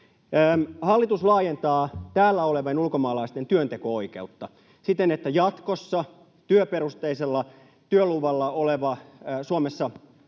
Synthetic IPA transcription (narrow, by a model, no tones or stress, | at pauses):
mhɑlːit̪uslɑːjent̪ɑːt̪æːlːæoleʋɑnulkomɑːlɑist̪ent̪yønt̪ekoo̞ike̞̰ut̪ːɑ | sit̪enet̪ːæjɑt̪kosːɑ | t̪yøpeɾust̪eiselːɑ | t̪yøluʋɑlːɑoleʋɑsuomesːɑ